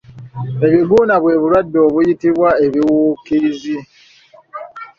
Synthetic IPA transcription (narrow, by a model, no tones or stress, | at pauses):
e̞βiɡuːnaβwe̞ːβuɾwadːo̞ːβujitiβwae̞βiwuːkizi